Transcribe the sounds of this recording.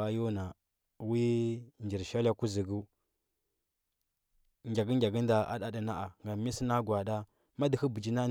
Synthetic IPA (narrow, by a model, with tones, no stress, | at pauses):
a˦ju˦na˨ | wi˦nd͡ʒi˨ɾʃa˦la˦ku˦zi˨ɡu˦ | ŋɡʲa˨ɡə˦ŋɡʲa˨ɡə˦n˦da˨a̰˦ɗa˦də˨na˦ʔa˨ŋɡa˨mi˦si˦na˦ɡwa˨da˦ | ma˦di˨hə˦bə˨d͡ʒi˦na˦